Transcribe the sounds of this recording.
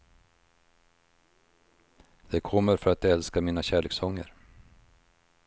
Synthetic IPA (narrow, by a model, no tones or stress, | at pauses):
d̪̥ɛkʰɔmːəɾfœɾat̪ɛlskamiːnaɕæːɭeːksɔŋːə̰ɾ